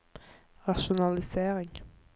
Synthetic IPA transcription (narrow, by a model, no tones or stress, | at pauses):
ʁɑʃʊnɑlɪseːʁɪŋ